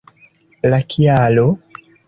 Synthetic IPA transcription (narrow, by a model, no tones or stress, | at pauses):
lakʰiaːlo